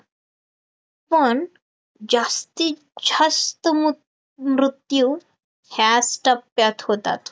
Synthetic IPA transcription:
pəɳ | d͡zast̪iː | d͡ʑəst̪ə | mɾut̪juː | hjasʈəpjat̪hot̪a̰t̪

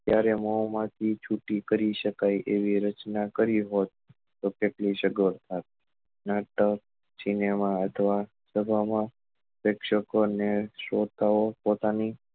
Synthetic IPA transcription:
t̪jaɾeməmãt̪ʰit͡ʃʰuʈikəɾiʃəkaiʔeʋiɾət͡ʃnakəɾiɦot̪ː | okeʈliʃəɡəɾt̪ʰat̪̚ | naʈək | sinemaət̪ʰəʋa | səbʱamã | ʋekʃəkoneʃot̪aopot̪ani

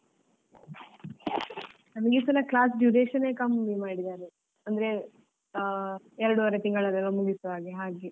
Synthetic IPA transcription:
nɐmɐɡesɐlɐklaːs̬ɖjuːɖeːʃɐneːkɐmːimaːɽid̪aːɾe | ɐnd̪ɐɾe | ɛɾɐɽuʋɐɾet̪iŋɡɐɭɐɾɐlːɐmuɡisʋaːɡeɦaːɡe

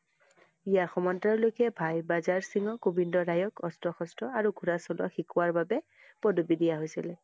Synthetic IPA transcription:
ijaxɔmɔntɹaɹlojkɛbʱajbazaɹsiŋɔkubindɔɹajɔkɔstɹɔxɔstɔaɹuɡʱuɹasɔlɔ̰xikuwaɹbabɛ | pɔdubidijaɦojsilɛ

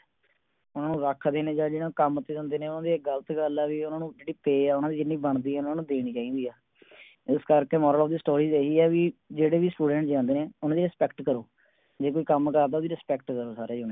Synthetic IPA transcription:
ʊnãːnũːɾəkʰd̪eːnẽːd͡ʒaːd͡ʒeːnãːkəmt̪ːeːd̪ə̃ːnd̪eːneːʊnãːd̪iɡələt̪ɡəlɛːʋiːʊnãːnũːd͡ʒeːɽiːpeːɛːʊnãːd̪iːd͡ʒɪnːiːbəɳd̪iːɛːʊnãːnũːd̪eːɽ̃iːt͡ʃaːiːd̪iːɛː | ɪskəɾkeːmɔːɾəlɔːfd̪iːsʈoːɾiːzeːɦiːɛːʋiːd͡ʒeːɽeːʋiːsʈuːɖə̃ɳʈd͡ʒãːnd̪eːneːʊnãːd̪iːɾɪspɛːkʈkəɾoː | d͡ʒeːkoːiːkəmkəɾd̪aːoːd̪iɾɪspɛːkʈkəɾoːsaːɾeːd͡ʒone

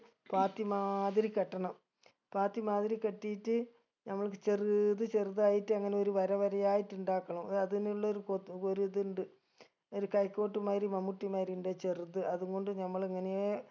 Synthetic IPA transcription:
paːt̪ːimaːðiɾikɐʈːɐɳɐm | paːt̪ːimaːðiɾikɐʈːijitːɨ | nɐmːɐɭkɨt͡ɕeriðɨt͡ɕeruðaːjiʈːɨɐŋːɐne̞oɾuʋɐɾɐʋɐɾɐjaːjiʈːuɳɖaːkːɐɳɐmɐðiniuɭːɐoɾukokoɾuðuɳɖɨ | oɾukɐjkːo̞ːʈːumaːɾimɐmuʈːimaːɾiɳɖet͡ɕerut̪ːɨʔɐðuŋɡo̞ɳɖɨɲɐmːɐɭiŋːɐneje

